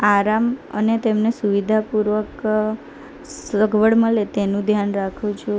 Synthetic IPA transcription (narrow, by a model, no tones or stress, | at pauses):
aɾamə̰net̪emnesuʋid̪ʱapuɾʋək | səɡʱʋəɽməlet̪enũd̪ʱjanɾakʰũt͡ʃʰo